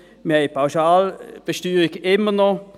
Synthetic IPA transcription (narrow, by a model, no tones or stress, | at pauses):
meɪpʰaʊsɑːlb̥əʃtyːɾɪkɪmənɔ